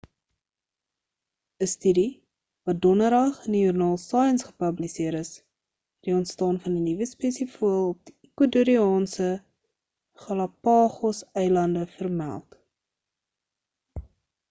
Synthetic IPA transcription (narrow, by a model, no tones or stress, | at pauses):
əstydi | vɐdɔnəɾɐχəndijurnɑːlˠsɑjənsχə̥pɐblisiəɾəs | d̥iɔntstɑːnfɐndinivəspeːsifuəlˠɔp̚d̥iikwətuɾiɑːnsə | χɑlɐpɑːχɔsɛjlɐndəfərmæ̰lˠt